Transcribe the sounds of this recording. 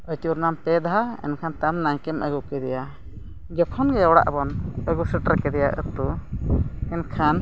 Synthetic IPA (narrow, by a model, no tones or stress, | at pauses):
əjt̪uɾnampɛd̪ɦaɛ̰nkʰant̪amnaŋkɛməɡukɛd̪ɛja | d͡ʒɔkʰɔnɡɛɔwɽa̰ʔbɔnəɡusəʈəɾkɛd̪ɛja̰ʔə̰t̪u | ɛnkʰan